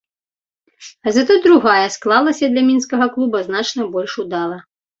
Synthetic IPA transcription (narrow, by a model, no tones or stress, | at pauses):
ɐzɐt̪ud̪ɾuɣajɐsklˠalˠɐsʲɐd̪lʲɐmʲinskɐɣɐklˠubɐznat͡ʂnɐbɔlʲʂud̪alˠɐ